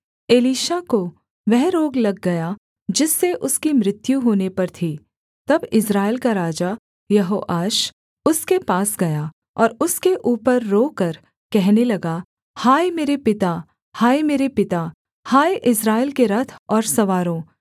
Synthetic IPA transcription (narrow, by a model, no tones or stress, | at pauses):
eːliːʃako | ʋɛɦɾoːɡlɐɡːɐja | d͡ʒɪsːeʔʊskimɾɪt̪juɦoːnepɐɾt̪ʰi | t̪ɐbɪsɾaːɪlkaɾaːd͡ʒa | jɐɦoːʔaːʃ | ʊskepaːsɡɐja | ɔːɾʊskeʔuːpəɾːoːkɐɾ | kɛɦnelɐɡa | haːemeːɾepɪt̪a | haːemeːɾepɪt̪a | haːjeʔɪsɾaːɪlkeɾɐt̪ʰɔːɾsɐʋaːɾõː